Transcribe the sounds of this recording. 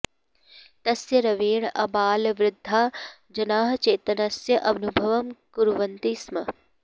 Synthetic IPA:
t̪ɐsjɐɾɐʋiːɳʔɐbaːlʋɾɪd̪ʱːaː | d͡ʒɐnaːɦɐt͡ʃeːt̪ɐnɐsjɐʔɐʋnubʱɐʋɐmkuɾʋɐnt̪ismɐ

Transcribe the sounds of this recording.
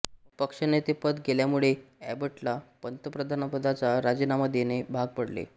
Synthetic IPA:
pəkʂənet̪ipəd̪ɡeljamuɭeæ̰bəʈlapənt̪əpɾəd̪ʱanəpəd̪ʱat͡saɾad͡ʑinaməd̪ʱjenebʱaɡ̚pəɽlḛ

